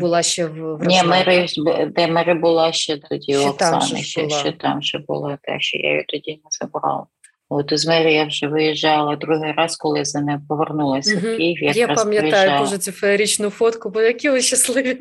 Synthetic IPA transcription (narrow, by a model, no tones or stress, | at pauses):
bʊlˠɑʃt͡ʃɛwnʲimɛɾɪbd̪ɛmɛɾɪbʊlˠɑʃt͡ʃɛt̪ɔdʲiɔksɑ̰nɪ̰ʃɛʃt͡ʃɛt̪ɑmʒɛbʊ̰lˠɑt̪ɛ̰ʃt͡ʃɔ̰ja̰jḭt̪ɔdʲinɛzɐbɾɑ̰lˠɐ | ot̪ɔzmɛɾɪjawʒɛʋɪjiʒɑlˠɐd̪ɾuɦɪjɾɑskɔlˠɪzɐnɛpɔʋernulˠɐsʲɐkiɦjaɐjɾɑp̪ɐmʲjɐtj̪ɑʒjʊdɑuʒɛsʲufɐɾʲit͡ʃnʊfɔt̪kʊbɔjɐkʲiɔʃɐslˠɪʋʲi